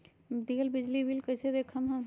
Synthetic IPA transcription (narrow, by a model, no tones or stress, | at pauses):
d̪iəlbid͡ʒlibʱilkəsed̪ekʰəmɦəm